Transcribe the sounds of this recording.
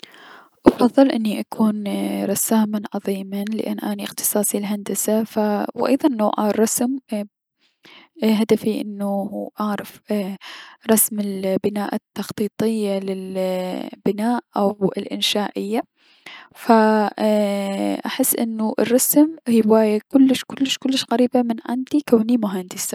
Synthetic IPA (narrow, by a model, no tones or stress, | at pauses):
ʔɑbfɑðˤːɨlʔɪnːiʔakʰuːnɾˤɑsaːmanʕɑðˤiːmanlɪ̰ʔa̰nːʔaːniʔɪxt̪ɨ̥sˤɑːsˤilɦand̪asafawʔɑ̰jðˤɑnːoːʕarˤːɑsm | ɦad̪afiʔɪ̰nːuhuːʔɑʕɾˤɪf | ɾˤɑsmɪlbɪnaːʔat̪ːɑxt̪ˤiːt̪ˤɪjːalɪl | b̥ɪnaːʔʔawɪlʔɪ̰nʃaːʔɪjːa | fa | ʔaħɪsːʔɪ̰nːuʔɪ̰rˤːɑsmhiːbwaːjakʊlːɪʃkʊlːɪʃkʊlːɪʃɣaɾiːbamɪnʕɪ̰nd̪ikaːnimʊɦand̪ɪsa